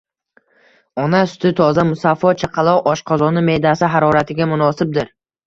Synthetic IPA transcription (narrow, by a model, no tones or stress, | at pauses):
ɒnasʊ̥t̪ʰɪt̪ʰɒzamʊsafːɒt͡ʃʰaqʰɑlˠɒwʔɒʃqʰɒzɒnɪme̞jd̪asɪɦaɾɒɾat̪ʰɪɡʲamʊnɒsɪb̚d̪ɪɾ